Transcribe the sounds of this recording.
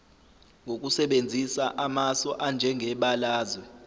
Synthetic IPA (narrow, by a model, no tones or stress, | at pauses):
ŋɡʱok̬ʼusɛɓend͡zʱisaʔamasɔʔand͡ʒʱɛŋɡʱɛɓalaːzwɛ